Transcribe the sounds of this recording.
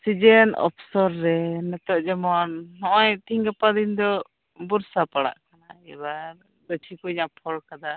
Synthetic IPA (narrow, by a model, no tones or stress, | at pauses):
sid͡ʒɛnɔ̰pʰsɔɾːɛnɛt̪ɔʔd͡ʒɛmɔnnɔʔɔjt̪ʰiŋɡapad̪iɲd̪ɔ | buɾsapaɽa̰ʔkanaɛ̰ba | d̪ət͡ʃʰikɔiɲaʔpʰɔlkad̪a